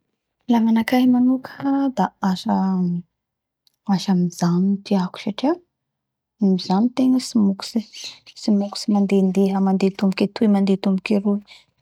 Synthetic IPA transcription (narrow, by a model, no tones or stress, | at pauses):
laŋanakaɦimanukʰd̪aaʃa | aʃamizanit̪iaku̥ʃaʈ͡ʂiḁ | amizanit̪eŋəsimuku̥sisimuku̥simand̪end̪eɦamand̪et̪umbuket̪uimand̪et̪umbukiɾu